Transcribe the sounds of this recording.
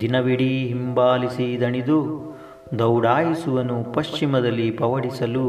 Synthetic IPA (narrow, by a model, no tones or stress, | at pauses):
d̪inɐʋiɽiɦimbaːlisid̪ɐɳid̪u | d̪ɐwɽaːjisuʋɐnupɐʃt͡ʃimɐd̪ɐlːipɐʋɐɽisɐlu